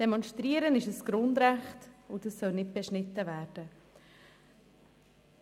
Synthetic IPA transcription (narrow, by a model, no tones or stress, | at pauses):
d̥ɛmɔnʃtɾiəɾənɪʃəsɡ̥ɾʊndɾæχtʊdɑsːœlnɪt̚b̥ɛʃnɪtːəvæːɾd̥ə